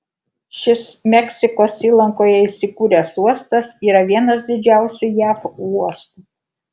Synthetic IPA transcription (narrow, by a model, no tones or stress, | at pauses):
ʃʲɪsmʲɛkʲsʲɪkoːsiːlˠɐŋkoːjɛɪsʲɪkuːɾʲɛsuɔst̪ɐsiːɾɐʋʲiɛnɐs̬d̪ʲɪd͡ʒʲæˑʊsʲʊjæːfuɔst̪u